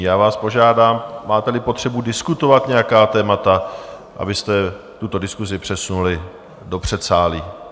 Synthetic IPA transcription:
jaːvaːspo̞ʒaːdaːmmaːt̪ɛlɪpo̞t̪r̝̥ɛbudɪskut̪o̞vat̪ɲɛjakaːt̪ɛːmat̪a | ʔa̰bɪst̪ɛ | t̪ut̪o̞dɪskuzɪpr̥ɛsunulɪ | do̞pr̥ɛt̪saːliː

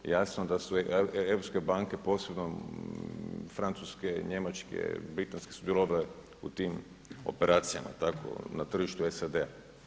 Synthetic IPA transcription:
jasnoed̪asueɾopske̞baŋke̞po̞ːse̞bno | fɾant̪suskeɲe̞mat͡ʃkḛbɾit̪anske̞sud̪jeloʋale | ṵt̪iːm | o̞̰peɾʔaːt̪sija̰ma̰t̪akʰo̰nat̪r̩ʒiʃt̪uesad̪ea

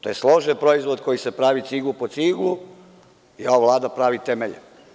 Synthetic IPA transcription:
t̪ojeslˠo̞ʒenpɾo̞izʋod̪ko̞jise̞pɾaːʋit̪siɡlupot̪siːɡlu | ioʋaʋlˠaːd̪apɾaʋit̪emeʎe

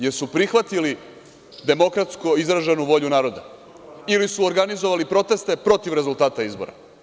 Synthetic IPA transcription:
je̞ɾsupɾixʋat̪ili | d̪e̞mo̞kɾat̪skoizɾaʒe̞nuʋo̞ʎunaːɾo̞d̪a | ilisuoɾɡanizo̞ʋalipɾo̞t̪e̞st̪e̞pɾo̞t̪iʋɾe̞zulˠt̪aːt̪aizbo̞̰ɾa̰

